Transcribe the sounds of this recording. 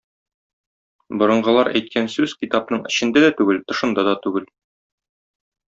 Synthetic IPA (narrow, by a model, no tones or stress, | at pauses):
bŏɾɤ̆ɴɢɤ̆lˠɑɾæjt̪kʰænsʉzkit̪ɑp̚nɤɴɘ̆ɕɘ̆nd̪æd̪æt̪ʉɡɘlt̪ŏʃɤ̆nd̪ɑd̪ɒt̪ʉɡɘl